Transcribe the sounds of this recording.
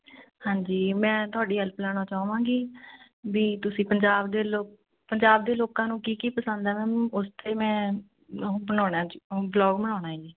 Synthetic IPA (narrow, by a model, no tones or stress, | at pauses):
hãːɲd͡ʒiːmɛ̃ːt̪ʊaːɖiːɦɛlplɛːñãːt͡ʃaːʋãːɡiː | ʋiːt̪ʊsĩːpəɲd͡ʒaːbd̪eːloː | pəɲd͡ʒaːbd̪eːloːkãːnũːkiːkiːpəsə̃nd̪ɛːmɛ̃ʊst̪eːmɛ̃ː | bəɽaːnaːd͡ʒiblɔːɡbəɽ̃aːnaːd͡ʒiː